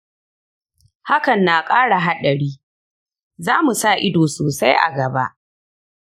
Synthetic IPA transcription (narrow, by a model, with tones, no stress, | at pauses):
ha˦kɐ˨nːaː˨kʼaː˦ɽa˨ɦa˦ɗɐ˨ɽiː˦ | zaː˦mu˨sa˦˨ʔɪ˦doː˨soː˨sa˦jʔa̰˨ɡɐ˨ba̰˦ʔ